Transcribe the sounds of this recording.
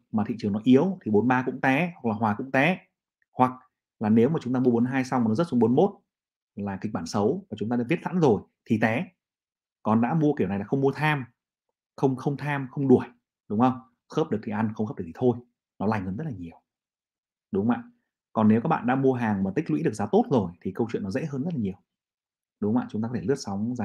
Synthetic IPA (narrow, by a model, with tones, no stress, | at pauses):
maː˨˩t̪ʰḭ˧˨t͡ɕɨ˨˩əŋnɔ˨˦ʔi˨˦əwt̪ʰi˨˩ɓo˨˦nɓaː˧kʊ̰˧˥ŋ͡mt̪ɛ˨˦hwa˨˩k̚laː˨˩waː˨˩kʊ̰˧˥ŋ͡mt̪ɛ˨˦ | hwa˨˩k̚ | laː˨˩ne˨˦wmaː˨˩t͡ɕʊ˨˦ŋ͡mt̪aː˧mu˧ə˧ɓo˨˦nɦaː˧jsa˧wŋ͡maː˨˩nɔ˨˦zə˦˥t̚sʊ˧ŋ͡mɓo˨˦nmo˦˥t̚ | laː˨˩ki˨˩k̚ɓaː˧˩nsə˨˦wmaː˨˩t͡ɕʊ˨˦ŋ͡mt̪aː˧ŋvi˦˥ət̚sa̰˧˥nzo˨˩jt̪ʰi˨˩t̪ɛ˨˦ | kɔ˨˩nɗa̰ː˧˥mu˧əki˧˩əwa˨˩jlaː˨˩xə˧wŋ͡mmu˧ət̪ʰaː˧m | xə˧wŋ͡mxə˧wŋ͡mt̪ʰaː˧mxə˧wŋ͡mɗu˧˩əj | ɗʊ˨˦ŋ͡mʔə˧wŋ͡m | xəː˦˥p̚ɗɨ˨˩k̚t̪i˨˩ʔa˧nxə˧wŋ͡mxəː˦˥pɗɨ˨˩t̪i̥˨˩t̪ʰo˧j | nɔ˨˦laː˨˩ŋhəː˧nzə˦˥t̚laː˨˩ɲi˨˩əw | ɗʊ˨˦ŋ͡mma̰ː˧˨n | kɔ˨˩nːe˨˦wkaː˦˥k̚ɓa̰ː˧˨ɗa̰ː˧˥mu˧əɦaː˨˩ŋmaː˨˩t̪ï˦˥k̟̚lwḭ˧˥ɨ˨˩ək̚zaː˨˦t̪o˦˥t̚zo˨˩jt̪ʰi˨˩kə˧wt͡ɕwḭ˧˨nɔ˨˦zḛ˧˥ɦəː˧nzə˦˥t̚laː˨˩ɲi˨˩əw | ɗʊ˨˦ŋ͡mma̰ː˧˨t͡ɕʊ˨˦ŋ͡m̪aː˧kɔ˧t̪ʰe˧˩ɨ˦˥ət̚sa˨˦wŋ͡mzaː˨˦